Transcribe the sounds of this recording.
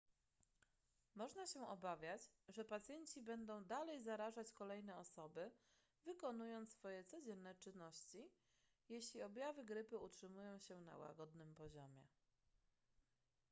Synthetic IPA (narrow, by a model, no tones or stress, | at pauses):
mɔʐnaɕɛɔbavʲjat͡ɕʐɛpat̪sʲjɛɲt͡ɕibɛnd̪ɔ̃w̃d̪alɛjzaɾaʐat͡ɕkɔlɛjnɛɔsɔbɘ | vɘkɔn̪ujɔnt̪fɔjɛt̪sɔd͡ʑɛnːɛt͡ʂɘnːɔɕt͡ɕi | jeɕlʲiɔbʲjavɘɡɾɘpɘutʂɘmujɔ̃w̃ɕɛna̰wa̰ɡɔd̪nɘmpɔʑɔmʲjɛ